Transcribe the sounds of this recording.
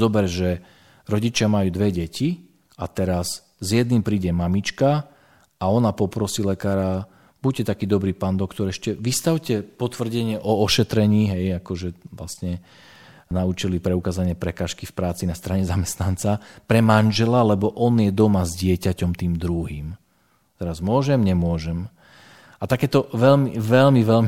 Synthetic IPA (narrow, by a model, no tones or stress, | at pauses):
zɔbɛɾʒɛ | ɾɔɟit͡ʃɪamajuːd̪ʋɛɟɛci | at̪ɛɾas | zjɛd̪niːmpɾiːɟɛmamit͡ʃka | aɔnapɔpɾɔsiːlɛkaːɾa | buccɛt̪akiːd̪ɔbɾiːpaːnd̪ɔkt̪ɔɾɛʃcɛʋist̪aʊcɛpɔt̪ʋr̩ɟɛɲɪɛʔɔɔʃɛt̪ɾɛɲiːɦɛjakɔʒɛʋla̰sɲɛ | naut͡ʃilipɾɛukaːzaɲɪɛpɾɛkaːʃkifpɾaːt͡sinast̪ɾaɲɛzamɛst̪nant͡sapɾɛmanʒɛlalɛbɔʔɔnjɛd̪ɔmazɟɪɛcacɔmt̪iːmd̪ɾuɦiːm | t̪ɛɾazmʊɔʒɛmɲɛmʊɔʒɛm | at̪akɛːt̪ɔʋɛʎmiʋɛʎmiʋɛʎm